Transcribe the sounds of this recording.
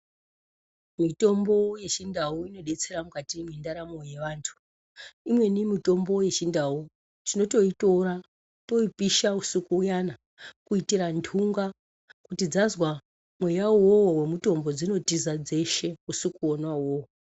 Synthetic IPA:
mito̞mbo̞je̞t͡ʃindauino̞ɗe̞t͡se̞ɾamukatimindaɾamo̞je̞ʋaːntʰu̥ | imwe̞nimito̞mbo̞je̞t͡ʃindawu | tino̞to̞ito̞ɾa | to̞ipiʃausukuːjana | kuitiɾandʰʱuŋɡa | kutid͡zazwa | mwe̞jawowowe̞muto̞mbo̞d͡zino̞tizad͡ze̞ʃe̞usikuonwawowo

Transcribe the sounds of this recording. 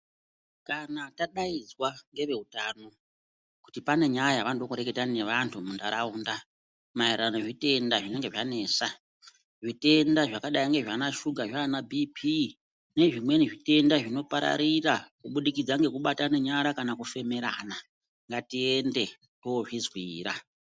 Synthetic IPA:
kanataɗaid͡zwaŋɡe̞ʋe̞utano̞ | ku̥tipane̞ɲajaʋanodokuɾeke̞tane̞ʋantʰumundaɾauːnda | maiɾanoʐite̞ndaʐine̞ŋɡe̞ʐane̞ːsa | ʐite̞ndaʐakaɗajiŋɡe̞ʐanaʃuɡʱaʐanabʱipʰi | ne̞ʐimwe̞niʐite̞ndaʐino̞paɾa̰ɾirakuɓuɗikid͡zaŋɡe̞kuɓatane̞ɲaɾakanakufe̞me̞ɾa̰na | ŋɡatie̞nde̞ | ooʐizwiːɾa

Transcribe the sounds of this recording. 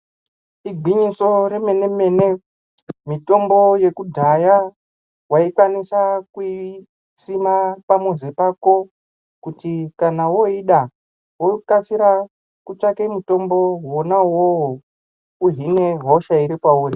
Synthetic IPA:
iɡʱwiɲiso̞ɾeme̞ne̞me̞ne̞ | mito̞mbo̞je̞kudʱaja | waikwanisakui | simapamuzipako̞ | kutikanawo̞iɗa | wokat͡siɾa | kut͡ʂakemuto̞mbo̞wonawoɦo | uɦine̞ɦo̞ʃaiɾikwauːri

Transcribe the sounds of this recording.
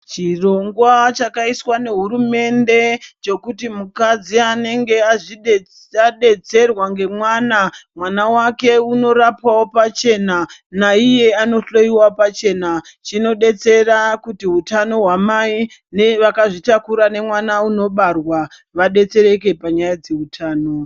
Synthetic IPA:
t͡ʃiro̞ŋɡwat͡ʃakaiswane̞ɦuɾume̞nde̞t͡ʃo̞kutimukad͡ziane̞ŋɡe̞aʐiɗ | aɗe̞t͡se̞rwaŋɡe̞mwaːnamwanawake̞uno̞ɾapawo̞pat͡ʃe̞nanaije̞ano̞ɬo̞iwapat͡ʃe̞nat͡ʃino̞ɗe̞t͡se̞rakutiɦutano̞ɦwamai | neʋakaʐitakuɾane̞mwanauno̞ɓarwa | ʋaɗe̞t͡se̞ɾe̞k̬e̞paɲajad͡ze̞utʰaːno̞

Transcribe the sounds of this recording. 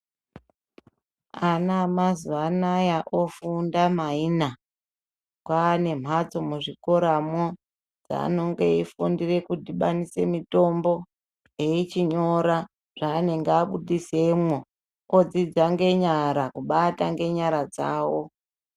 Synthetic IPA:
anamazuanajaʔofundamaina | kwane̞m̤ʱat͡so̞muʐiko̞ɾamo | d͡za̰no̞ŋɡe̞ifundire̞kudiɓanise̞mito̞mbo̞ | je̞it͡ʃiɲo̞ɾa | ʐ̥aːne̞ŋɡeaɓuɗise̞mwo | od͡zid͡zaŋɡe̞ɲaɾakuɓataŋɡe̞ɲaɾad͡za̰ːwo̞

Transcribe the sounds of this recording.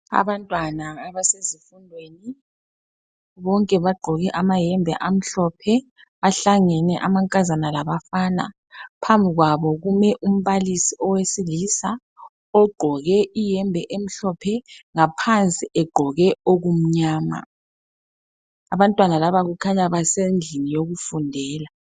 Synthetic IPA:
a̰βantʼwanaːβasezifundʱweːni | βɔŋkʼɛβaɡ͡ǃʱɔɣɛʔamajɛmbʱɛ̰ʔam̩ɬɔpʰɛ | βaɬaŋɛnɛʔamaŋkʼazanalaβafaːna̰ | pʰambʱiɣwaβɔɣumɛʔum̩βalisiʔɔwesilisa | ɔɡ͡ǃʱɔɣɛʔijɛmbʱɛʔem̩ɬɔpʰɛŋapʰant͡sʼiʔɛɡ͡ǃ̥ʱɔɣɛoɣum̩ɲaːma̰ | aβantʼwanalaβaɣukʰaɲaβaseŋinijoɣufundʱɛːla

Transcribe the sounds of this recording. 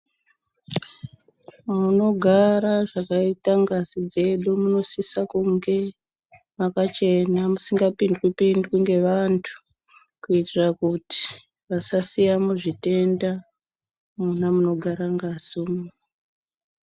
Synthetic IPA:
mauno̞ɡʱaɾaʐakaitaŋɡazid͡ze̞ɗumuno̞sisakuŋɡe̞ | makat͡ʃe̞namusiŋɡapindkipindkuŋɡe̞ʋantʰu̥ | kuitirakuti̥ | ʋasasijamuʐite̞nda | munamuno̞ɡʱaɾaŋɡazuːmu

